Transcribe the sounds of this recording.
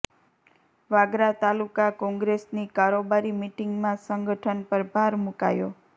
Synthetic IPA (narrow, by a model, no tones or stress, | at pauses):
ʋaɡɾat̪alukakɔ̃ŋɡɾesnikaɾobaɾimiʈiŋɡmãsəŋɡəʈʰənpəɾbʱaɾmuka̰jo